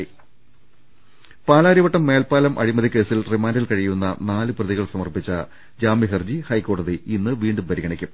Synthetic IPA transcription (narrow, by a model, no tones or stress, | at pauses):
paːlaːɾiʋɐʈːɐmːe̞ːlpaːlɐmʔɐ̰ɻimɐðikʲe̞ːsilrimaːndilkɐɻijunːɐ̰naːlɨprɐðiɣɐɭsɐmɐrpit͡ɕːɐ | d͡ʑaːmiɦɐrd͡ʑihɐjkːo̞ːɽɐðiinːɨʋiːɳɖumpɐɾiɣɐɳɐkʲːum